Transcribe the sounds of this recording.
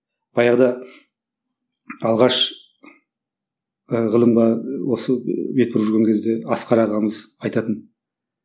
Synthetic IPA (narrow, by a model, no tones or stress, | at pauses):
b̥ɑjɑʁd̪ɑ | ɑlˠʁɑʃ | əʁəlˠəmʁɑwo̞səbe̞t̪̚pɪɾuʒʏɾɡʲe̞ŋkʲʰezd̪e̞ɑsqʰɑɾɑʁɑməzɑjt̪ɑt̪ən